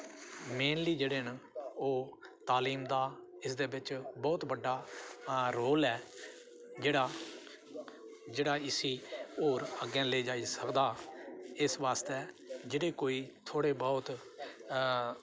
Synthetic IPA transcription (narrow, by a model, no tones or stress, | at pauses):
meːnliːd͡ʒeːɽeːnoːt̪aːliːmd̪aːɪsd̪eːbɪt͡ʃbɔːt̪bəɖːaː | ɾoːlɛː | d͡ʒeːɽaː | d͡ʒeːɽaːɪsiːoːɾəɡɛ̃ːləiːd͡ʒaːiːsəkd̪aːɪsʋaːst̪ɛː | d͡ʒeːɽeːkoːiːt̪ʰoːɽeːbɔːt̪